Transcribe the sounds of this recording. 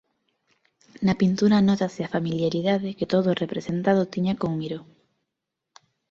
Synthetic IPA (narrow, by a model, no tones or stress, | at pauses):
napint̪uɾanɔt̪asɪafamiljaɾiðaðɪkɪt̪oðʊrepɾesent̪aðʊt̪iɲakoŋmiɾo